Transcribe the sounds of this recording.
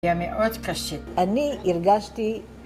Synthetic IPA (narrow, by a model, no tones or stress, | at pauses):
jameʔod̪kaʃianiiɾɡaʃt̪i